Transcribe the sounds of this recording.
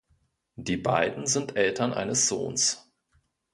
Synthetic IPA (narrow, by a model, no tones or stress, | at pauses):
d̥iːbaɪdn̩zɪntʔɛltɐnʔa̰ɪnəsz̥o̰ːns